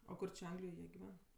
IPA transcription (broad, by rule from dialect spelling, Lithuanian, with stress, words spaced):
oː ˈkʊr t͡ʃʲɪ ˈɐŋɡlʲɪjoːj ˈjiɛ ɡʲɪˈʋʲɛn